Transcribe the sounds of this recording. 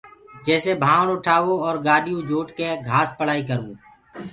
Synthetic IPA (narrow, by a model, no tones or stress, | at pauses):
d͡ʒɛːsebʱaːɳʊʈʰaːʋoɔːɾɡaːɖijũd͡ʒoːʈkeɡʱaːspəɽ̤aːikəɾũː